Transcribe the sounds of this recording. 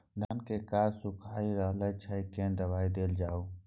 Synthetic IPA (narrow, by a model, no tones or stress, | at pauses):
naːnkeːkaːɾsʊkʰaːiːɾəɦləjt͡ʃʰəikẽːnd̪əʋaːid̪eːld͡ʒaːuː